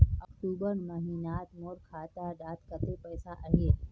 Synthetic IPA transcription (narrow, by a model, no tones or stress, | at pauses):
ɐkʈuːbəɾməɦiːnaːt̪moːɾkʰaːt̪aɖaːt̪kət̪epəjsaʔəɦeː